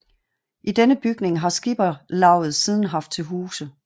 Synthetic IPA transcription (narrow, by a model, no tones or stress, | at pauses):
ʔid̥enəb̥yɡ̥ne̝ŋɦɑ̈sɡ̥ib̥ɐlɑ̈ʊ̰ð̩ˠsiːð̞ˠn̩ɦɑ̈fd̥̚t͡sʰe̝lɦuːsə